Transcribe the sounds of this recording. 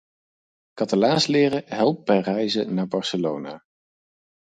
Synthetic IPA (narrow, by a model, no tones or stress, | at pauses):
kɑtalaːnslɪːɾəɦɛlˠp̚bɛjrɛjzənaːɹbɑɹsəlownaː